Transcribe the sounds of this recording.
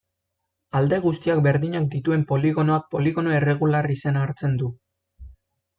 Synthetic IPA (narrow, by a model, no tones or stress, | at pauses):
ald̪e̞ɣ̞ust̪iakbe̞ɾðiɲak̚d̪it̪ue̞mpo̞liɣ̞o̞no̞ak̚po̞liɣ̞o̞no̞ere̞ɣ̞ularise̞naːɾt͡se̞nd̪u